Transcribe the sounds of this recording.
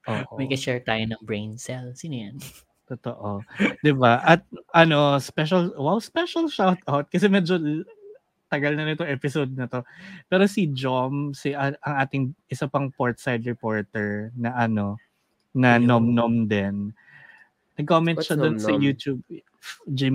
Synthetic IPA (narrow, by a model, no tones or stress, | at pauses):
ʔoːʔomɛjkɐʃɛɹt̪aːjonɐŋbɹejnsɛlsinɐjan | t̪ot̪oʔod̪ɪbaʔɐt̪̚ʔɐno̞spɛʃɐlwɛwspɛʃɐlʃawt̪ʔawt̪̚kɐs̬ɛmɛd͡ʒo | t̪ɐɡɐlnɐnɪt̪oŋʔɛpɪsod̪̚nɐt̪o̞pɛːɾosid͡ʒomsiʔʔɐŋaːt̪ɪŋʔɪsapɐŋpoɹt̪̚sajd̪ɹɛpoɹt̪ɛɹnɐʔɐno̞ | nɐnomnomd̪ɛn | nɐɡ̚komɛnʃɐd̪onsɐjuːt̪jub̚ | d͡ʒem